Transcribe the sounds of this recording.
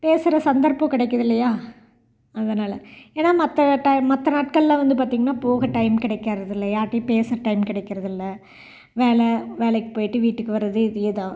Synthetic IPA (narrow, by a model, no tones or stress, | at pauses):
peːsɯɾɐsɐnd̪ɐɾpõːkɪɽɛɪkːɐðɪlːɐjaː | ɐðɐnaːlɐ̰eːnːaːmɐt̪ːɐʈɐɪmɐt̪ːɐnaːʈ̚kɐɭlãːʋɐnd̪ɯp̬aːɾt̪iːŋɡɐnːaːpoːɣɐʈɐɪmkɪɽɐɪkːɐɾɐðɪlːɐjaːʈːipeːsɾɐʈɐɪmkɪɽɛɪkːɪɾɐðɪlːɐ | ʋeːlɛʋeːɭɛkːɯ̥poːjɪʈːɯʋiːʈːɯkːɯʋɐɾɐðɯɪðɯeːðaː